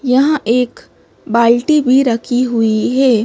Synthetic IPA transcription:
jɐɦãʔeːk | baːlʈibʱiɾɐkʰiɦʊiɦɛː

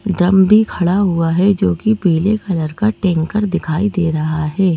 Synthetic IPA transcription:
ɖɾɐmbʱikʰɐɽaɦʊaɦɛd͡ʒoːkipiːlekɐləɾkaʈẽːŋkəɾd̪ɪkʰaːid̪eːɾɐɦaɦɛː

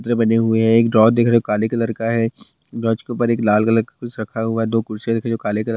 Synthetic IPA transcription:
t̪ɾəbɐneɦʊeɦɛ̃eːkɖɾɔːd͡ʒd̪eːkʰɾokaːlekɐləɾkaɦɛ | ɖɾɔːd͡ʒkepəɾeːklaːlkɐləɾkakʊt͡ʃʰɾɐkʰaɦʊaɦɛd̪oːkʊɾsed̪eːkʰɾd͡ʒoːkaːlekɐlə

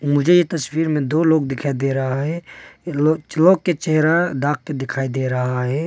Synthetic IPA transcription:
mʊd͡ʒʱejet̪ɐswiːɾmẽd̪oːloːɡd̪ɪkʰaːid̪eɾɐɦaɦɛloːt͡ʃloːkket͡ʃɛɦɾaɖaːk̚ked̪ɪkʰaːid̪eːɾɐɦaɦɛː

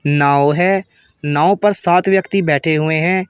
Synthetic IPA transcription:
naːoɦɛː | naːoːpəɾsaːt̪ʰʋjəkt̪iːbɛːʈʰeːɦʊeːɦɛ̃ː

